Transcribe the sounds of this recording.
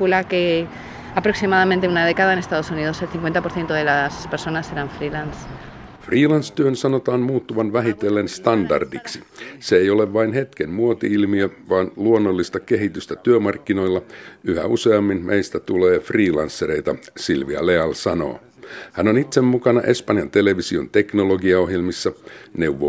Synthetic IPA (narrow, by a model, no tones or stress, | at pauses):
ulake | apɾoksimaðamẽnt̪eunað̞e̞kaðaene̞st̪aðosuniðoselθiŋkwe̞nt̪apoθje̞nt̪oðelaspeɾso̞naseɾaɱfɾilans | friːlɑnst̪yønsɑnot̪ɑːnmuːt̪ːuʋɑnʋæɦit̪elːenst̪ɑndɑ̰rdiksiseejo̞leʋʋɑinhe̞t̪kenmuot̪iilmiøʋɑːnluonːolːist̪ɑke̞ɦit̪yst̪æt̪yømɑrkːino̞jlːɑyhæuseɑmːinmʔejst̪æt̪uleːfriːlɑnsːeɾe̞jt̪ɑ̰silʋiɑ̰leɑlsɑno̞̰ː | hænonit̪semmukɑnɑʔe̞spɑnjɑnt̪e̞le̞ʋisio̞̰nt̪e̞knolo̞ɡiɑo̞ɦjelmisːɑne̞wʋːo